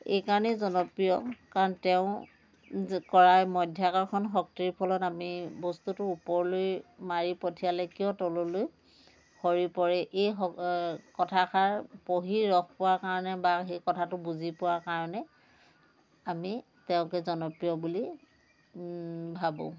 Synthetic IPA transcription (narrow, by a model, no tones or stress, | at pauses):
ḛjkaɹɔnɛzɔnɔpɹijɔkaɹɔntɛʊ̃ | kɔɹamɔdʱjakɔɹkʰɔnxɔk̚tiɹipʰɔlɔtamibɔstutʊːpɔɹlojmaɹipɔtʰijalɛkiɔ̃tɔlɔloj | hɔɹipɔɹɛʔejɦɔkɔtʰakʰaɹpoɦiɹɔk̚ʰpʊwaɹkaɹɔnɛbaɦejkɔtʰatʊbuzipʊwaɹkaɹɔnɛ | ami | tɛʊ̃kɛzɔnɔpɹijɔbuli | bʱabõ̰